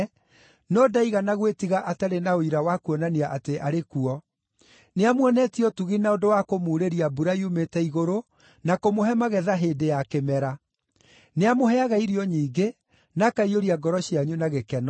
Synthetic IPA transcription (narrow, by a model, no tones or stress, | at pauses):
nɔdaiɣanaɣwetiɣaʔataɾenaoiɾawakuɔnaniaʔateʔaɾekuɔ | neamwɛnɛtiɔtuɣinaodowakomuɾeɾiabuɾaiumetɛiɣoɾo | nakomohɛmaɣɛðaɦeːdejakemɛɾa | neamoɦɛaɣaiɾiɔɲiːɡe | nakaioɾiaɡɔɾɔɕiaɲunaɣekɛnɔ